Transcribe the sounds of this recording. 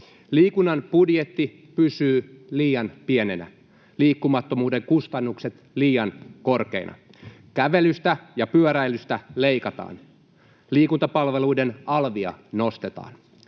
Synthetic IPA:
liːkunːɑnb̥udje̞t̪ːi | pysyːliːjɑnpie̞ne̞næ̰ | liːkːumɑt̪ːo̞muːdeŋkust̪ɑnːukset̪ | liːjɑnko̞rke̞̰inʔɑ̰ | kæʋe̞lyst̪æjɑpyøɾæjlyst̪æleikɑt̪ɑ̰ːn | liːkunt̪ɑpɑlʋe̞luide̞nɑlʋiɑ̰no̞st̪e̞t̪ɑ̰ːn

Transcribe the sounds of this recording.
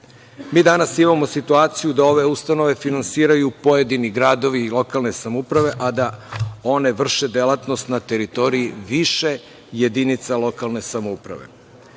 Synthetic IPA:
miːd̪anasimamo̞sit̪uaːt̪sijud̪ao̞ʋe̞ust̪ano̞ʋe̞finansiːɾajupo̞je̞d̪iniɡɾaːd̪o̞ʋilˠo̞kalˠne̞samoupɾaʋe̞ʔad̪ao̞ne̞ʋr̩ʃed̪elˠat̪no̞st̪nat̪e̞ɾit̪o̞ɾiiʋiʃe | je̞d̪init̪salˠo̞kalˠne̞samoupɾa̰ʋe̞̰

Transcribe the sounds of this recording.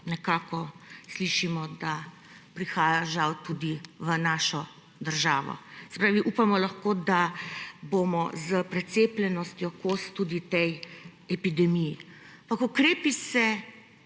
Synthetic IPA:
nɛkaːkɔsliʃimɔd̪a | pɾixaːjaʒawt̪ud̪iʋənaːʃɔ | d̪əɾʒaːʋɔ̰sɛ̥pɾaːʋiʔupamɔlɐxkoːd̪abomɔzəpɾɛt̪seːplɛnɔst̪jɔkoːst̪ud̪it̪ɛj | ɛpid̪ɛmiji | aampakukɾeːpisɛ

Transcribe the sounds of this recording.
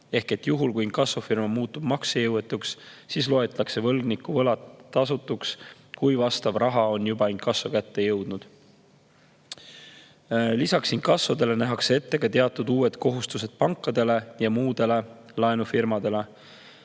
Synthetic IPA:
e̞hke̞t̪ːjuɦulkujinkɑsofirmɑmuːt̪ːˑub̥mɑksejɤwet̪ːˑukssislo̞et̪ːˑɑkse̞vɤ̞lɡnikːˑuvɤlɑt̪ːɑsut̪ːˑuks | kujvɑst̪ɑb̥rɑɦɑo̞njubɑinkːɑsːokæt̪ːe̞jɤwd̪̥nud̪̥ | lisɑksinkɑsvod̪e̞le̞næɦɑksee̞t̪ːe̞ɡ̥ɑt̪e̞ɑt̪ːˑud̪uːwe̞t̪ko̞ɦust̪use̞d̪̥̚pɑŋkːˑɑd̪̥e̞le̞jɑmuːd̪̥e̞le̞ | lɑenufirmɑd̪e̞le̞

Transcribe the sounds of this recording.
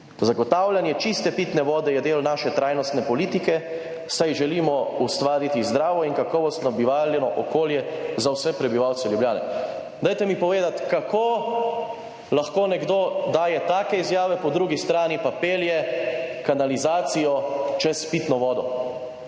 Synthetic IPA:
zaɡɔt̪aːwlanjɛt͡ʃist̪ɛpit̪nɛʋɔːd̪ɛjɛd̪eːlnaːʃɛt̪ɾaːjnɔst̪nɛpɔliːt̪ikɛ | sajʒɛliːmɔust̪ʋaːɾit̪izd̪ɾaːʋɔinkakɔʋɔst̪nɔbiʋaːljɛnɔʔɔkoːljɛzawsɛpɾɛbiʋawt̪sɛljubljaːnɛ̰ | d̪aːjt̪ɛmipɔʋeːd̪at̪kakʰo | laxkoːnɛɡd̪od̪aːjɛt̪aːkɛizjaːʋɛpɔd̪ɾuɡist̪ɾaːnipapeːljɛkanalizaːt̪sijɔt͡ʃɛspiːt̪nɔʋɔːd̪ɔ

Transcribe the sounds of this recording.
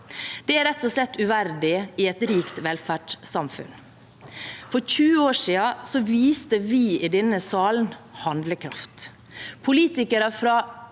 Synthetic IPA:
d̪̥ɛæɾɛt̪ːɔslɛt̪ːʉʋæɾɖ̪ɪɪɛt̪ɾiːkt̪ʋɛlfæːʈsɑmfʉ̰n | fɔɾçʉːəoːʂiːɑsɔʋiːst̪əʋɪːɪd̪ɛnːəsɑːln̩hɑnd̪ləkʰɾɑ̰ft̪ | pʰʊliːt̪ɪkəɾəfɾɑː

